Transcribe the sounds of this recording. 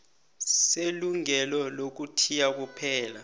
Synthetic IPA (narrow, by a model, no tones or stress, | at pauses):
seluŋɛlɔlok̬utʰijak̬upʰɛːla